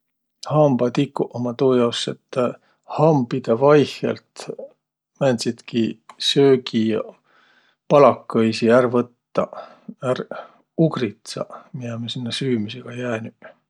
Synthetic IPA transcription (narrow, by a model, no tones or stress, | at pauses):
hɑmb̥ɑt̪ikːuʔomɑt̪uːjɑwset̪ː | hɑmbid̪̥evɑjhḛlt̪ | mænʲd̪sid̪̥kisøːɡijɑ | pɑlɑkːɤjsiærvɤt̪ːɑ | ær | uɡrit̪sɑ̰miɑmesinːesyːmyseɡ̥ɑjæːny